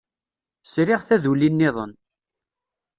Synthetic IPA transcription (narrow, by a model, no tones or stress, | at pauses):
sɾɪʁθæðulinːɪðˤə̰n